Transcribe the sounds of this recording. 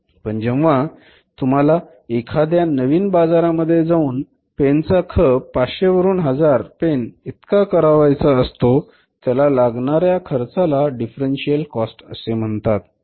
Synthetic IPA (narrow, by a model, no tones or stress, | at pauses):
pəɳd͡ʑeʋʋa | t̪um̤ala | ekʰad̪janəʋiːnbad͡zaɾaməd̪ʱːjed͡zauːn | pent͡sakʰəpaɕeʋəɾuːnɦəd͡zaɾpenit̪kakəɾaʋajt͡saəst̪o | t̪jalalaɡɳaɾjakʰəɾt͡salaɖifɾenɕijəlkɔsʈə̰sem̤əɳt̪at̪